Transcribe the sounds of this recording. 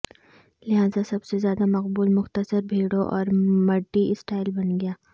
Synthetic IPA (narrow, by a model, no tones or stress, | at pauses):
lɪɦaːzasɐbsezjaːd̪amɐq̚buːlmʊxt̪əsəɾbʱeːɽoʔɔ̰ːɾmɐɖːisʈaːɪlbɐnɡɪjaː